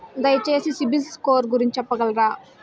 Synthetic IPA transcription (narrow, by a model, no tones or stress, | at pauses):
d̪ɐjɐt͡ʃe̞ːsisibiskoːɾɡuɾiɲt͡ʃɐpːɐɡɐlɐɾaː